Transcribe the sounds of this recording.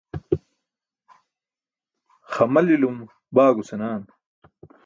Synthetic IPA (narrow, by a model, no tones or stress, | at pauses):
xɐmɐlilum | baːɡusenaːn